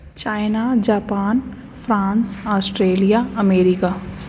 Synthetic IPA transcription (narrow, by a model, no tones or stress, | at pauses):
t͡ʃaːɪnad͡ʒaːpaːn | fɾãːnsɔːsʈɾeːlijaəmeːɾɪkaː